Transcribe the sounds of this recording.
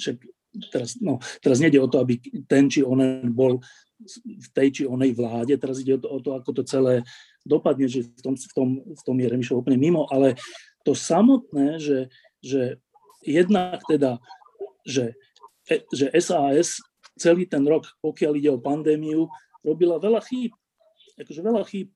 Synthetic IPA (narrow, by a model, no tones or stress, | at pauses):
ʃak | t̪ɛɾasnɔt̪ɛɾazɲɛiɟɛɔt̪ɔabit̪ɛnt͡ʃiɔnɛnbɔl | ft̪ɛjt͡ʃiɔnɛjʋlaːɟɛt̪ɛɾaziɟɛɔt̪ɔɔt̪ɔakɔt̪ɔt͡sɛlɛː | d̪ɔpad̪̚ɲɛʒɛft̪ɔmft̪ɔmft̪ɔmjɛɾɛmiʃlɔuplɲɛmimɔʔalɛ | t̪ɔsamɔt̪̚nɛːʒɛ | ʒɛ | jɛd̪nakt̪ɛd̪a | ʒɛ | ɛʒɛʔɛzaːɛs | t͡sɛliːt̪ɛnɾɔkpɔkɪaliɟɛɔpand̪ɛːmiu | ɾɔbilaʋɛlaxiːp̚ | akɔʒɛʋɛʎaxiːp̚